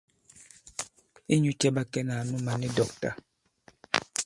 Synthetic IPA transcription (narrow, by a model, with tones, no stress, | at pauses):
i˦ɲu˦t͡ʃɛ˦ba˦kɛ˦na˨nu˦ma˨nɛ˦dɔ˨k̚ta̰˨